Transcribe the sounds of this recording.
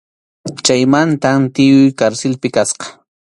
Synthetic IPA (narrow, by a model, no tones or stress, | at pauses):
t͡ʃajmant̪amt̪ɪjʊjkaɾsɪlpɪkasqɑ̥